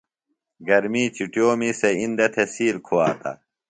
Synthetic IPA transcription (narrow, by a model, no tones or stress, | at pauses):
ɡɐɾmiːt͡ɕiʈjoːmiseind̪ɐt̪ʰesiːɾkʰowa̰ːt̪ɐ̰